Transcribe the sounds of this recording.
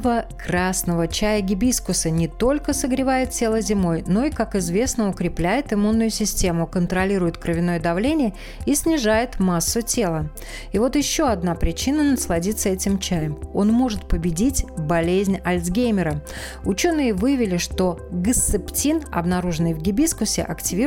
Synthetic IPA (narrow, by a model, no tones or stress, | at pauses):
vəkɾasnəvət͡ɕæjəɡʲɪbʲiskʊsənʲɪt̪o̞lʲkəsəɡɾʲɪvajɪt̪̚tʲe̞lˠəzʲɪmo̞jno̞ɪkakɪzvʲe̞snəʊkɾʲɪplʲæjɪt̪ɪmunːʊjʊsʲɪsʲtʲe̞mʊkənt̪ɾɐlʲiɾʊjʊt̪kɾəvʲɪno̞jəd̪ɐvlʲenʲɪjə | isʲnʲɪʐajɪt̪masːʊtʲe̞lˠə | ɪvo̞t̪jɪɕːo̞ɐd̪napɾʲɪt͡ɕinənəslˠɐdʲit̪səɛtʲɪmt͡ɕæjəmo̞nmo̞ʐɨt̪̚pəbʲɪdʲitʲbɐlʲezʲnʲɐlʲzɡʲejmʲɪɾə | ʊt͡ɕo̞nːɨjəvɨjvʲɪlʲɪʂt̪o̞ɡəst̪ːɨptʲinɐ̰bnɐɾuʐɨnɨjvɡʲɪbʲiskʊsʲɪ̰ʔɐktʲɪvʲi